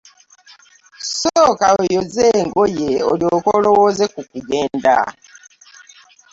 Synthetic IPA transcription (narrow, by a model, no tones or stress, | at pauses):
soːkaojozeːŋɡojeoljoːkolowozekukuɡeːnda̰